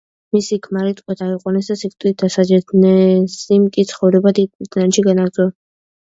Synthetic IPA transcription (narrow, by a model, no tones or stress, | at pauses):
misikʰmaɾit̪ʼkʼɔd̪aiqʼwɔnɛsd̪asik̚t̪ʼwit̪̚d̪asad͡ʒɛdnɛsimkʼit̪sʰχɔvɾɛbad̪iid̪ʰnanʃiɡanaɡ̪zɔ